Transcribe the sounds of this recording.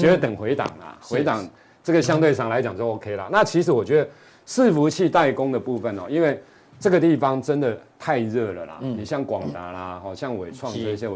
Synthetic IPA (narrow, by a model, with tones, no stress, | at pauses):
t͡ɕɥɛ˧˥d̪ə˧t̪ə˨˩ŋxwe˧˥ɪt̪ɑ̰˨˩ŋla̰˩xwe˧˥ɪt̪ɑ˨˩ŋ | ʈ͡ʂə˥˩ɡə˩ɕjɑ˦ŋt̪we˥˧ɪʂɑ˥˩ŋla˧˦ɪt͡ɕjɑ˨˩ŋt͡ɕjo˥˧ʊo˥ʊkʰe˦ɪlə̰˨na˥˨t͡ɕʰi˧˥ʂɻ̩˧˥wɔ˨˩t͡ɕɥɛ˧˥d̪ə˨˩ | ʂɻ̩˥˨fu˨˧˥t͡ɕʰi˥˧t̪a˥˩ɪkʊ˦ŋd̪ə˨pu˥˧fə˨nɔ̰˨i˦nwe˥˧ɪ | ʈ͡ʂə˥˩ɡə˩t̪i˥˩fɑ˦ŋʈ͡ʂə˦nd̪ə˨t̪ʰa˥˧ɪɻɤ˥˩lə̰˨˩la̰˩ni˨˩ɕjɑ˥˩ŋkwɑ˨˩ŋt̪a̰˨˥la˦hɔ˥˨˩ɕjɑ˥˩ŋwe˨˩t͡sʰwɑ˥˧ŋʂɔ˥˧i˥˩ɕjɛ˧˥